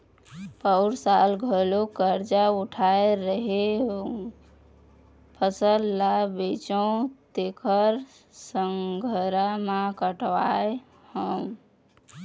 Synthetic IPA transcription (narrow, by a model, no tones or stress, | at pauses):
pəʊɾsalɡʱəlokəɾd͡ʒauʈʰaeɾəɦeɦ | pʰəsəlːabet͡ʃõt̪ekʰəɾ | səŋɡʱəɾamakəʈʋae | həm